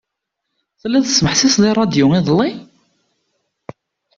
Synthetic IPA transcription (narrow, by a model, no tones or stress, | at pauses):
θlːæθə̥sməħθisðˤirˤɑd̪jʊŋiðˤəlˤːi